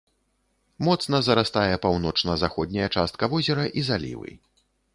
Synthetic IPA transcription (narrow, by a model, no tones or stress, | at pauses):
mɔt̪sn̪ɐzɐɾast̪ajɛpawnɔt͡ʂnɐzaxɔd̪ʲnʲɐjɐt͡ʂast̪̚kɐvɔzʲɛɾɐʔizalʲḭvɨ̰